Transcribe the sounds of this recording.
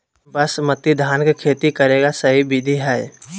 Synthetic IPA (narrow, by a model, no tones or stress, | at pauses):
bɐsmɐt̪ːid̪ʱaːnkekʰeːt̪ikɐɾeːɡasɐɦibɪd̪ʱiɦɛ